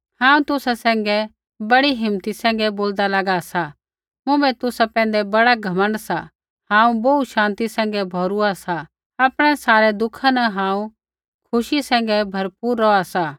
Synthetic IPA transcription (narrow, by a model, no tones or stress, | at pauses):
hãːũt̪ʊsasɛ̃ːŋɡɛ | bɐɽiɦɪmt̪isɛ̃ːŋ̆ɡɛboːld̪alɐɡasa | mʊ̃bɛt̪ʊsapɛ̃ːn̆d̪ɛbɐɽaɡʱɐmə̃nsa | hãːũbouʃãːnt̪isɛ̃ːŋ̆ɡɛbʱɔːɾʊasa | aːpɽ̃ɛsaːɾɛd̪ʊkʰãnɛɦãːũ | kʰʊʃisɛ̃ːŋ̆ɡɛbʱɐɾpuːɾːɔasa